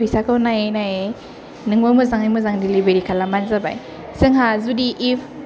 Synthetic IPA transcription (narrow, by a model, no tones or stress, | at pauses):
ɯjsakʰawnajenaje | nɯŋbɯmɯzaŋajmɯzaŋdilibeɾikʰalamanzaba̰j | sɯŋɦazudiʔip